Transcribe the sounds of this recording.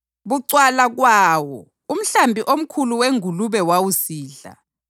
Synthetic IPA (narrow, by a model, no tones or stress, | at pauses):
βuǀwalaɣwaːwɔ | um̩ɬambʱiʔom̩kʰuluweŋuluβɛwawusiːɮa̰